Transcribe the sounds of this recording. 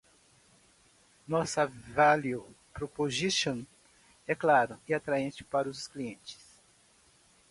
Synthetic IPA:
nɔsɐvalio | pɾopoʒiʃõn | ɛklaɾʊiat̪ɾaẽt͡ʃɪ̥paɾɐʊskliẽt͡ʃɪ̥s

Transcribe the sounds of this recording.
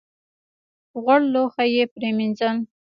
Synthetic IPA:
ɣaɽloxajepɾeminzan

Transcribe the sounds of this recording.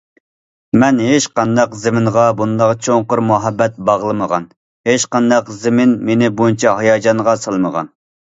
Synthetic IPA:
mɛnɦeʃqɑnd̪ɑqzɪmɪnʁɑbund̪ɑʁt͡ʃʰoŋqʊɾmuɦɑbːɛt̪̚bɑʁlˠɨməʁɑ̰n | heʃqɑnd̪ɑqzɪmɪnmenɪbojint͡ʃʰɛɦɑjɑːd͡ʒɑnʁɑsɑlˠməʁɑ̰n

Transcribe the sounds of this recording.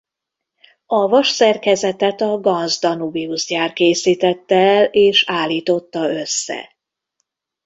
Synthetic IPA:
ɒvɒʃsɛrkɛzɛt̪ɛt̪ɒɡɒnzd̪ɒnubiuzɟaːrkeːsiːt̪ɛt̪ːɛɛleːʃaːlːiːt̪o̞t̪ːɒø̞sːɛ̰

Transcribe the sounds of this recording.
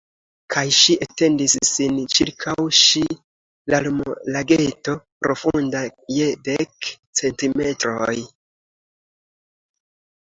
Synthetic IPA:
kʰajʃiʔate̞ndisːint͡ʃiɾkʰawʃi | lalumlaɡe̞to̞pɾo̞fundaje̞dek | t͡se̞ntime̞tɾo̞j

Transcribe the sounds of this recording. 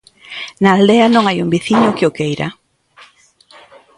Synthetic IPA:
naːld̪eɐnõŋajumbiθiɲʊkɪʊkejɾa̰

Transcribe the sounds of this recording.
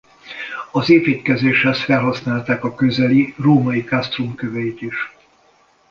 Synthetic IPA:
ɒzeːpiːt̪kɛzeːʃhɛsfɛlɦɒsnaːlt̪aːkɒkø̞zɛliroːmɒjikast̪rumkøvɛit̪iʃ

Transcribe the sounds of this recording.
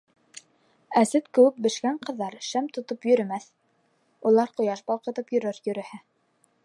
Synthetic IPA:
æsɘt̪kɘ̆wɘk̚bɘ̆ʃkæɴqɤ̆ðːɑɾʃæmt̪ŏt̪opjɵ̆ɾɘ̆mæθ | ulˠɑɾqŏjɑʃbɑlˠqɤ̆t̪ɤpjɵ̆ɾɘɾjɵ̆ɾɘ̆hæ

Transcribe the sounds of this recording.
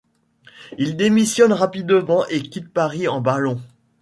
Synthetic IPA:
ild̪emisjɔnʁapid̪əmɑ̃ʔekʲit̪̚paʁiɑ̃balɔ̃

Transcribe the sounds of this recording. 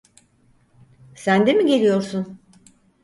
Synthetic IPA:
sænd̪emiɟe̞lʲijo̞ɾsun

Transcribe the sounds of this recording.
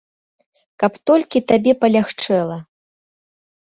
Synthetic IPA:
kɐpt̪ɔlʲkʲit̪abʲɛpɐlʲaxt͡ʂɛlˠɐ

